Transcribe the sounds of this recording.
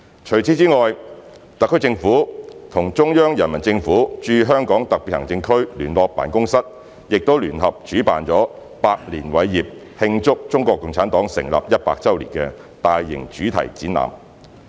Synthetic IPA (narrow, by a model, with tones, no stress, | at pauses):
t͡ʃʰɵ˨˩ɥt͡sʰiː˨˥t͡siː˥ŋɔː˨j | t̪ɐ˨kʰːt͡sɪ˧ŋfuː˨˥t̪ʰʊ˨˩ŋt͡ʃʊ˥ŋjœː˥ŋjɐ˨˩nmɐ˨˩nt͡sɪ˧ŋfuː˨˥t͡ʃyː˧ɦœː˥ŋkɔː˨˥ŋt̪ɐ˨piː˨t̚hɐ˨˩ŋt͡sɪ˧ŋkʰɵ˥ɥlyː˨˩nlɔː˨˧k̚paː˨˩nkʊ˥ŋsɐ˥t̚ | jɪ˨k̚t̪o˥wlyː˨˩nɦɐ˨p̚t͡ʃyː˨˥pa̰ː˨nt͡ʃɔː˨˥ | paː˧k̚liː˨˩nwɐ˨˥jːiː˨p̚ | hɪ˧ŋt͡sʊ˥k̚t͡ʃʊ˥ŋkɔː˧kːʊ˨˧ŋt͡sʰaː˨˥nt̪ɔː˨˥ŋsɪ̰˨˩ŋla̰ː˨p̚jɐ˥t̚paː˧k̚t͡sɐ˥wlḭ˨˩ŋkɛː˧ | t̪aː˨jːɪ̰˨˩ŋt͡ʃyː˨˥t̪ʰɐ̰˨˩jt͡siː˨˥na̰ː˨˩m